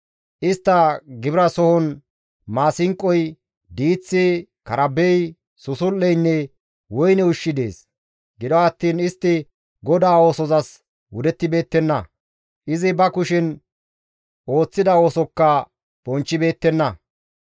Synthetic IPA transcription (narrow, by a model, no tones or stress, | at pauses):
ʔɪst̪ːɐɡɪbɪɾɐsɔhɔn | maːsɪŋkʼːɔj | d̪iːt͡sːikɐɾɐbɛj | sʊsʊlːɛjnːɛ | wɔjnɛʊʃːɪd̪e̞̰ːs | ɡɪd̪ɔɐt̪ːiːnɪst̪ːɪ | ɡɔd̪aːo̞ːsɔzɐs | wʊd̪ɛt̪ːɪbe̞ːt̪ːɛnːɐ | ʔɪzɪbɐkʊʃɪn | o̞ːt͡sːɪd̪ɐo̞ːsɔkːɐ | b̥ɔnt͡ʃːɪbe̞ːt̪ːɛnːɐ